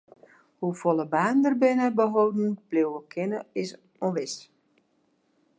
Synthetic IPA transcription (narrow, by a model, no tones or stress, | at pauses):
hufolˠəbaːndərbɪnəbəɦowdn̩b̥lewəkʰɪnəɪs | oʋɪst